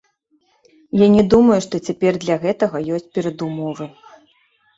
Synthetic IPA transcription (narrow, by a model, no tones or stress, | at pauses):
janʲɛd̪umɐjuʂt̪ɔt͡sʲapʲɛrd̪lʲɐɣɛt̪ɐɣɐjɔsʲt͡sʲpʲɛɾɐd̪umɔvɨ